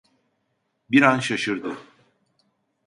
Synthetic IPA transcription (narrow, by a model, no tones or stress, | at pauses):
biɾanʃaʃɯɾd̪ɯ